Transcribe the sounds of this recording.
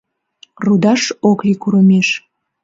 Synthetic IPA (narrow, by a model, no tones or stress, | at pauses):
rud̪ɑʃoklikuɾəmeʃ